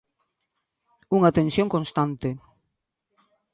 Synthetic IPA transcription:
uŋat̪ensjõŋkonst̪ant̪e

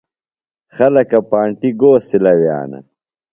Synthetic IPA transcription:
xɐlɐkɐpaːɳʈiɡoːsilɐwja̰ːnɐ̰

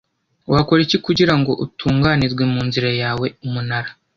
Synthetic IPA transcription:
wʔako̞ɾecikuɟiɾaŋɡo̞ʔutʰuːŋɡanizɡwemuːnziɾajaːwe̞umunaɾa

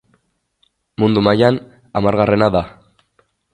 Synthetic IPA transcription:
mund̪umajan | amaɾɣare̞naða

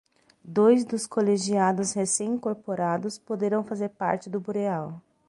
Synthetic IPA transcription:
d̪ojzd̪ʊskoleʒiad̪ʊshesẽj̃ĩŋkoɾpoɾad̪ʊspod̪eɾɐ̃w̃fazeɾpa̰ɾt͡ʃɪd̪ʊbuɾeaw

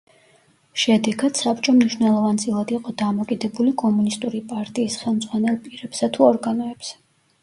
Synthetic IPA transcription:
ʃɛd̪ɛɡad̪̥sapʰt͡ʃʼɔmniʃwnɛlˠɔvant̪sʼilˠad̪iqʼɔd̪amɔkʼid̪ɛbulikʼɔmunist̪ʼuɾipʼaɾt̪ʼiːsχɛlˠmd̪z̥ʼʁwanɛlˠpʼiɾɛbsat̪ʰuɔɾɡanɔɛbsɛ

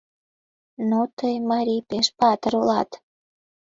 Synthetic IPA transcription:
not̪əjmɑɾʲipeʃpɑt̪əɾulɑ̰t̪

